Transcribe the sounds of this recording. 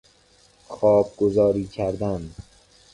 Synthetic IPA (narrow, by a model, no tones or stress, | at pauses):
xɒːb̚ɡozɒːɾiːkʰæɾd̪æn